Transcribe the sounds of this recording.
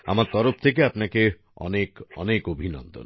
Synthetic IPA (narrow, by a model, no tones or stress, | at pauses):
a̰maɾt̪ɔɾop̚t̪ʰekeapnake | ɔ̰nekɔ̰nekobʱinɔ̰nd̪o̰n